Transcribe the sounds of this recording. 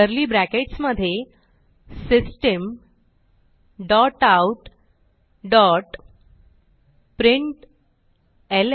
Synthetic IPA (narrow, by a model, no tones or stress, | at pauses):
əɾliːbɾækeʈsməd̪ʱːje | sisʈəm | ɖɔʈauʈ | ɖɔʈ | pɾiɳʈ | el